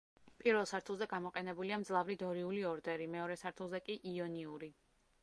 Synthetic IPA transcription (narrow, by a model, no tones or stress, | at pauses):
pʼiɾvɛlˠsaɾt̪ʰulˠzɛɡamɔqʼɛnɛbuliamd̪zlˠavɾid̪ɔɾiuliɔɾd̪ɛɾimɛɔɾɛsaɾt̪ʰulˠzɛkʼiʔiɔniuɾi